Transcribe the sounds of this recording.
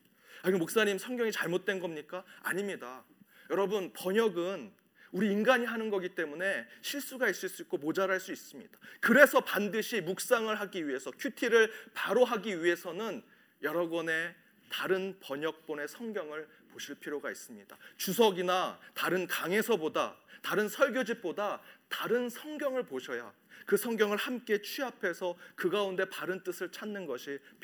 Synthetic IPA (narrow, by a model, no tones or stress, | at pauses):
aiɡɯmok̚s͈aɲimsʰʌŋɡjʌŋit͡ɕaɭmot̚t͈we̞nɡʌmɲik͈aa̰ɲimɲida | jʌɾʌbɯnpʌɲʌɡɯn | uɾiːnɡaɲiɦanɯnɡʌɡit͈e̞mune̞ɕʰiɭs͈uɡais͈uis͈uit̚k͈omod͡ʑaɾɦaɭs͈uis͈ɯmɲid̥ḁkɯɾe̞sʰʌpandɯɕʰimuk̚s͈aŋɯɭɦaɡiɥie̞sʰʌkʰjutʰiɾɯɭpaɾoɦaɡiɥie̞sʰʌnɯn | jʌɾʌɡwʌne̞ | taɾɯnpʌɲʌk̚p͈one̞sʰʌŋɡjʌŋɯɭ | poɕʰiɭpʰiɾjoɡais͈ɯmɲid̥a̰t͡ɕusʰʌɡinataɾɯnkaŋe̞sʰʌboda̰taɾɯnsʰʌɭɡjod͡ʑip̚p͈odataɾɯnsʰʌŋɡjʌŋɯɭpoɕʰʌja | kɯsʰʌŋɡjʌŋɯɭhamk͈e̞t͡ɕʰiapʰe̞sʰʌkɯɡaunde̞paɾɯnt͈ɯsʰɯɭt͡ɕʰanːɯnɡʌɕʰi